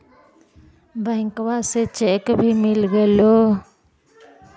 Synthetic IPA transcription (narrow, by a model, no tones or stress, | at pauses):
bãŋkwaset͡ʃɛkbʱimilɡɛlo